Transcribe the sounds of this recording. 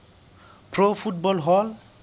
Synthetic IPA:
pʰɾopʰuʈ̚bɔlɦɔl

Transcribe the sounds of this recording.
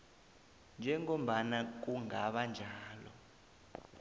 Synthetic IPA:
nd͡ʒʱɛŋom̩ɓanak̬uŋaɓand͡ʒʱaːlɔ̰

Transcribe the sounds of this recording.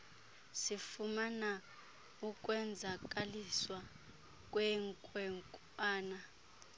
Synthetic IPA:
sifumana | ukʼwɛnd͡zʱak̬ʼaliswa | k̬ʼwɛŋkʼwɛŋkʼ | aːna

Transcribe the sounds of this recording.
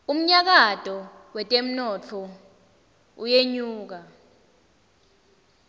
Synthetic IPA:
um̩ɲak̬atʼɔwɛtʼem̩nɔt͡ɬʰɔ | ujeɲuːk̬a

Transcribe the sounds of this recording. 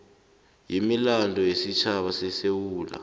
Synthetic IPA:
jimilandʱɔjesit͡ʃʰaɓasɛsewuːla̰

